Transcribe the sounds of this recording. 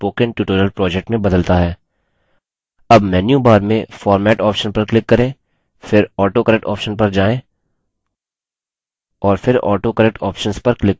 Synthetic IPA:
poːkə̃nʈjuːʈoːɾijəlpɾɔːd͡ʒɛk̚ʈmẽbɐd̪əlt̪aɦɛː | ɐbmɛːnjubaːɾmẽfɔːɾmɛːʈɔːpʃənpɐɾklɪkːɐɾẽː | fɪɾɔːʈokəɾɛk̚ʈɔːpʃənpɐɾd͡ʒaːẽ | ɔːɾfɪɾɔ̰ːʈokɐɾɛk̚ʈɔːpʃənspɐɾklɪk

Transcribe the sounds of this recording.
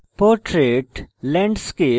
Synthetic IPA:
poːɾʈɾeːʈlɛ̃ːɳɖskeː

